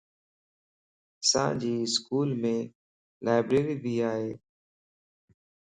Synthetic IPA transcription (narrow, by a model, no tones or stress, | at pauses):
sã̰ːd͡ʒiːskuːlmẽː | laːɪbɾeːɾiːbʱiːaːɦeː